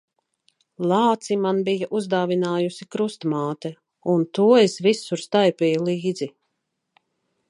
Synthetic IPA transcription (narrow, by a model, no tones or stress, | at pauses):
lˠɑːt̪simanbijaʔuzd̪aːvinaːjusikɾust̪maːt̪ɛ | unt̪uɔesvisuɾst̪ajpʲɛjulˠiːd̪zi